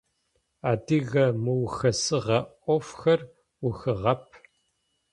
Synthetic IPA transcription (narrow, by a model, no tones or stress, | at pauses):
aːdɨɣɐmɨwxɐsɨʁɐʔʷɔfxɐr | wʊxɨʁɐp̚ʰ